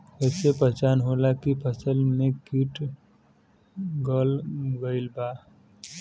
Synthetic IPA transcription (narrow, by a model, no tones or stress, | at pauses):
əsepət͡ʃanɦolakipʰəsəlmekiʈ | ɡəlɡəɪlba